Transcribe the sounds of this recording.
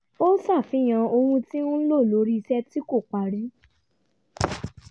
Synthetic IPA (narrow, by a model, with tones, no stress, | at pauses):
o˦sa˦˨fĩ˨˦j̃ã˧o˧hũ˧ti˦ũ˦lo˦˨lo˨˦ɾi˦˧sɛ˦ti˦ko˦˨k͡pa˨ɾi˨˦